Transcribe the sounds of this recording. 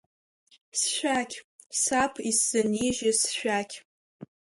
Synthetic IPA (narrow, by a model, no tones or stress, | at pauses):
sʃʷᶣakʲʰ | sapʰisz̥ɨniʒasʃᶣʷakʲʰ